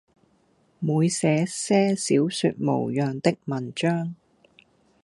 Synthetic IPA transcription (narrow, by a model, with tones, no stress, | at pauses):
muː˨˧jsɛː˨˧sɛː˥siː˨˥wsy˧t̚mo̰˨˩wjœː˨˩ŋt̪ɪ˥k̚mɐ˨˩nt͡ʃœː˥ŋ